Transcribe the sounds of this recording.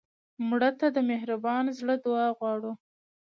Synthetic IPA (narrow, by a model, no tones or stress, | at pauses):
mɽət̪ad̪əmehɾabɑnzɽəd̪ʊɑɣwɑɽu